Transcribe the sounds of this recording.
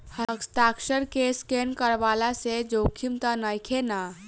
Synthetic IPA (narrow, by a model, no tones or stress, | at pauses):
həkst̪akʃəɾkeskenkəɾʋaːlased͡ʒokʰimt̪ənəjkʰena